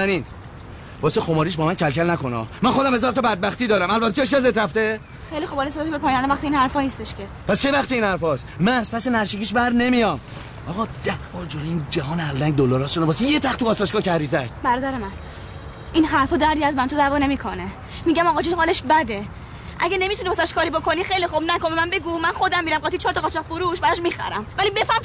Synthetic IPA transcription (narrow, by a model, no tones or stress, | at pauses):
æniːn | bɒːsexomɒːɾiːʃ̬bɒːmæncʰælcʰælnækonɒ̰ːmænxo̞d̪æmhezɒːɾt̪ʰɒbæd̪̚bæxt̪iːd̪ɒːɾæmælbæt̪ʰːet̪ueʃ̬ezet̪ɾæft̪e | xejlixobɒlesed̪ɔːbepʰɒːjnænd̪ævæxt̪ʰiiːnhæɾfɒːniːst̪eʃcepʰæscʰejvæxt̪iinhæɾfɒːsmæspʰæsenæɾʃiciːʃbæɾne̞mijɒm | ɒːɣɒːd̪̥æhbɒːɾd͡ʒoloiːnd͡ʒæɦɒːneælːæŋɟ̚d̪olɒːɾɒːsʃonɔbɒːsijet̪ʰæxt̪ʰuɒːsɒʃkɒːcʰæɾiːzædbæɾɒːd̪æɾemæn | ʔinɦæɾfɒːd̪æɾd̪iæzmænt̪ʰozævɒːne̞miːkʰone | miːɟæmɒːɣɒd͡ʒinhɒːleʃbæd̪e̞ | ʔæɟæne̞mit̪ʰunibɔsɛʃkʰɒːɾiːbo̞kʰo̞nixejlixobnækombemænbe̞ɡumænxod̪æmːiːɾæmɡɒt̪ʰit͡ʃʰɒːɾt̪ʰɒɣɒt͡ʃʰɒkfoɾuʃbæɾɔʃmiːxæ̰ɾæmvælibefæm